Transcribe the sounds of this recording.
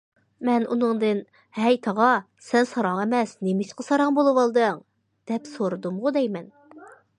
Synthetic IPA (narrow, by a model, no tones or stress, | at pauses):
mɛnṵnɨŋd̪ɨn | hɛjt̪ʰɑʁɑ | sɛnsɑɾɑŋɛmɛsnemɪʃqəsɑɾɑŋbolˠɨwɑlˠd̪ɨŋ | d̪̥ɛpsoɾɨd̪umʁʊd̪ɛjmɛn